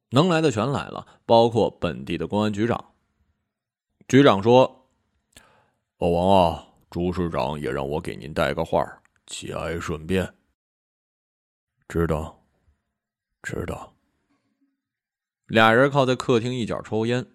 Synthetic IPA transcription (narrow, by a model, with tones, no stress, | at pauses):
nɤ˧˥ŋla˧˥ɪd̪ə˧t͡ɕʰɥɛ˧˥nla̰˨˩ɪlʔə̰˦ | pɑ˥ʊkʰwɔ˥˩pə˨˩nt̪i˥˩d̪ə˩kwʊ˥ŋa˥nt͡ɕy˧˥ʈ͡ʂɑ̰˨˩˦ŋ | t͡ɕy˧˥ʈ͡ʂɑ˨˩ŋʂwɔ˥ | ɔ˧˩wɑ˧˥ŋɑ˥˩ | ʈ͡ʂu˧˥ʂɻ̩˥˩ʈ͡ʂɑ̰˧˥ŋjɛ̰˨˩ɻɑ̰˥˩ŋwɔ˧˥ke˨˩ɪni˧˥nt̪a˥˩ɪḭ˧˥ɡə˧xwa̰˥˧˩ | t͡ɕʰḭ˨˩a̰˧˥˩ɪʂwə˨˩npjɛ˥˩n | ʈ͡ʂɻ̩˥d̪ə˨ | ʈ͡ʂɻ̩˥d̪ə̰˨˧ | ljɑ˨˩ŋɻə˧˥kʰɑ˥˧ʊt͡sa˥˧ɪkʰɤ˥˩t̪ʰi˥ŋi˥˩t͡ɕjɑ̰˨˩ʈ͡ʂʰo˥ʊjɛ˥n